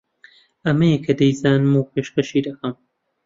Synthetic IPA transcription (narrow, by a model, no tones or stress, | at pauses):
ɐmɐjekʰɐd̪ɐjzaːnɨmuːpʰeːʃkɐʃiːd̪ɐkʰɐm